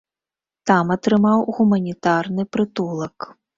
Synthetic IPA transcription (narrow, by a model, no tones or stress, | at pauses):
t̪amɐt̪ɾɨmawɣumɐnʲit̪arnɨpɾɨt̪ulˠɐk